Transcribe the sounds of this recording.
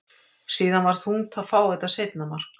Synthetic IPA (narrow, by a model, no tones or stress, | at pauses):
siːðanvaɾ̥θhunt̪ʰaðfaːwɛt̪aseːjt̪namaɾ̥